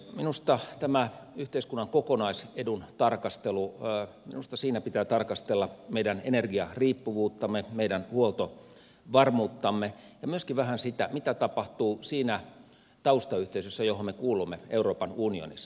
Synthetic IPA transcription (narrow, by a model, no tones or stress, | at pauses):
minust̪ɑt̪æmæyht̪eiskunːɑŋkokonɑisedunt̪ɑrkɑst̪elu | minust̪ɑsiːnæpit̪æːt̪ɑrkɑst̪elːɑmeijdænenerɡiɑriːpːuʋuːt̪ːɑmːemeidænhuolt̪o | ʋɑrmuːt̪ːɑmːejɑmyøskiʋæhænsit̪æmit̪æt̪ɑpɑht̪uːsiːnæ | t̪ɑust̪ɑyht̪eisøsːæjoɦommekuːlumːeeuroːpɑnunio̰nḭsː